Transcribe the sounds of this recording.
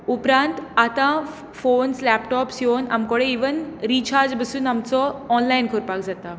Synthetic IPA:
upɾãnt̪at̪ã | foːnslɛpʈɔːpsjoːna̰mkɔɽeiʋənɾiːt͡ɕʰaːɾd͡zbəsuːnamt͡sɔɔnlajnkʰoɾpakd͡zat̪a

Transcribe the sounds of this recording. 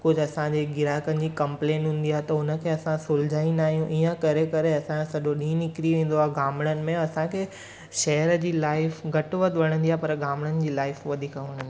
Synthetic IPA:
kʊd͡ʑʱɐsãd͡ʑeɡɪɾaːkənɪd͡ʑiːkɐ̃mplẽːnɦũːn̆d̪ijaɦet̪ɐʊnə̆kʰeːɐsãsʊld͡ʑaːĩnaːɦijũʔiːə̃kɐɾekɐɾeɐsãsɐʄoɗĩːnɪkɾiʋẽːn̆d̪oaːɦɡaːmɽ̃ənɪ̆mẽɐsãkʰeː | ʃɐɦɾəd͡ʑiːlaːɪfɡɐʈʋət̪ʋɐɽ̃ə̃nd̪iaːɦepɐɾɡaːmɽənɪ̆d͡ʑiːlaːɪfʋɐd̪ʱikəɦɐɽ̃ə̃nd̪i

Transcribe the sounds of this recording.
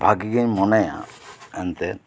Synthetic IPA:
bʱaɡiɡɔɲmɔnajã̰ɛnt̪ɛ

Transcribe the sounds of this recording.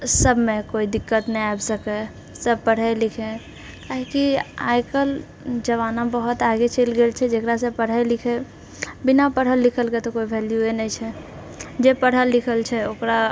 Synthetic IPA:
səbʱmẽkoid̪ikːət̪nɛjajbsəkɛ | səb̚pəɽ̤əlikʰẽ | kaɦikia̰jkəl | d͡ʒəβanãbəɦut̪aɡet͡ʃelɡelt͡ʃʰɛd͡ʒekɾasə̃pəɽ̤əjlikʰe | binapəɽ̤əlːikʰəlket̪ɔkoibʱɛljuenəjt͡ʃʰɛ | d͡ʒepəɽ̤əlːikʰəlt͡ʃʰɛokɾa

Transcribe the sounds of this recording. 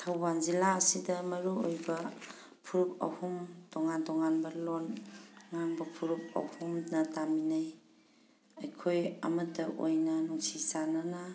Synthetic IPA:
tʰawbanzilaəsidɐmɐɾuojbɐ | pʰuɾup̚ɐ̰humtɔŋantɔŋanbɐlɔnŋanbɐpʰuɾup̚ɐ̰humnɐtaminaj | ɐjkʰojɐ̰mɐtːɐʔo̰jnɐnuŋsisanana

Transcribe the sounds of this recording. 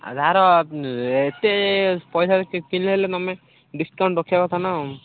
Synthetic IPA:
a̰dʱaɾɔ | et̪epɔjsakinelet̪ɔme | ɖiskaw̃ɳʈɾɔkʰijabat̪ʰana

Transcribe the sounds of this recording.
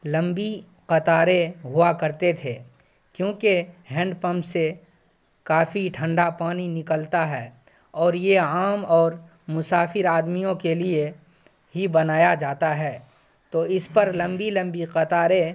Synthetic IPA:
lɐ̃mbi | qɐt̪aːɾeɦʊakɐɾt̪et̪ʰeː | kjõːkeɦɛ̃ːɳɖpə̃mpse | kaːfiʈʰə̃ɳɖapaːninɪkəlt̪aɦɛː | ɔːɾjeaːmɔːɾ | mʊsaːfɪɾaːd̪mijõkelie | ɦibɐnaːjad͡ʒaːt̪aɦɛː | t̪oːɪspɐɾlɐ̃mbilə̃mbiqɐt̪aːɾe

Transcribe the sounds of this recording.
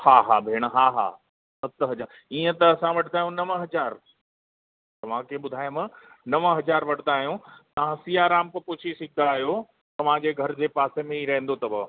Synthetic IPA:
haːɦaːbʱeːɽ̃əɦaːɦa̰ː | sɐt̪ɦɐd͡ʑaːɾ | iːə̃t̪ɐːsãʋɐʈʰnaːɦjũnɐʋəɦɐd͡ʑaːɾ | t̪ɐʋ̤ãkʰeɓʊd̪ʱaːjmɐ̃ | nɐʋəɦɐd͡ʑaːɾʋɐʈʰnd̪aːɦijũt̪ɐʋ̤ãsiaːɾaːmkɐpʊt͡ɕʰisɪɡ̚ʱnd̪aːɦjo | t̪ɐʋ̤ãd͡ʑeːɡʱɐɾd͡ʑeːpaːsemẽiɾɐɦɪ̃nd̪ot̪ɐbɐ

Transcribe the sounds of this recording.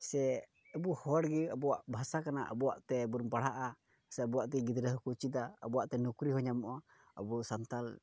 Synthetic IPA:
sɛː | buhɔɽɡɛəbɔwaʔbʱasakanaʔə̰bɔwaʔt̪ɛbuɾmpaɽ̤aʔa | sɛbɔwaʔt̪ɛɡid̪ɾəɦkut͡ʃit̪aə̰bɔwaʔt̪ɛnukɾiɦɔɲamɔʔa | ə̰bɔsant̪al

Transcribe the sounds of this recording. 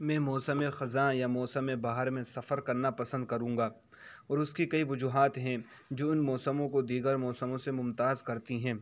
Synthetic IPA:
mɛ̃ːmɔːsəmexɐzãjamɔːsəmebaːɦəɾmẽsɐfəɾkɐɾnapɐsə̃nd̪̚kɐɾũːŋɡaː | ɔːɾʊskikɐiʋʊd͡ʒuːɦaːt̪ɦɛ̃ | d͡ʒoːɪnmɔːsəmõkod̪iːɡəɾmɔːsəmõsemʊ̃mt̪aːzkɐɾt̪iɦɛ̃ː

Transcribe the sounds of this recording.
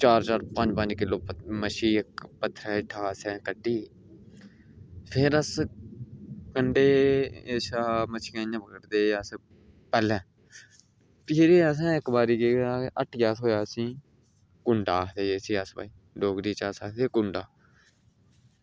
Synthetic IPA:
t͡ʃaːɾt͡ʃaːɾpə̃ɲd͡ʒpə̃ɲd͡ʒkɪloːməʃiːɪkpət̪ʰːɾɛːɪʈʰːaːəsɛ̃ːkəʈːiː | pʰɪɾəs | kəɳɖeːeːʃaːmət͡ʃʰːkãːãːbəkəɾd̪eːs | pɛːlɛ̃ː | t̪ɪɾeːəs̬ɛ̃ːɪkbaːɾiːkeːaːʔəʈʰjaːsɦoːjaːsĩː | kʊɳɖaːt̪eːesiːəsba̰ːiː | ɖoːɡɾiːt͡ʃaːsaːt̪eːkʊɳɖaː

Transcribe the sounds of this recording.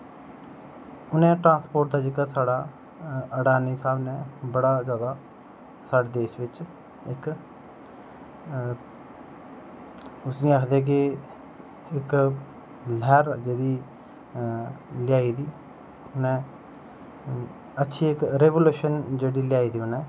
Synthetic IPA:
ʊnɛ̃ːʈɾãːspoːɾʈ̚d̪aːd͡ʒekaːsaːɽaː | əɽaːniːsaːbnɛːbəɽaːzjaːd̪aː | saːɖeːd̪eːʃʋɪt͡ʃ | ɪk | ʊsĩːaːkʰd̪eːk̬ɪ | ɪk | lɛːɾd͡ʒeːd̪iː | lɪjaːiːd̪iː | ʊnɛ̃ː | ətːʃʰiːɪkɾeːʋoːluːʃənd͡ʒeːɽiːlɪjaːiːd̪iːʊnɛ̃ː

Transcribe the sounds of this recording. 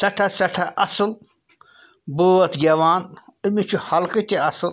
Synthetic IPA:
sɐʈʰɐsɐʈʰɐʔɐsɨl | boɐt̪ɡʲɐʋaːnɨmit͡ʃʰuhɐlkɨt̪ʲiɐsɨl

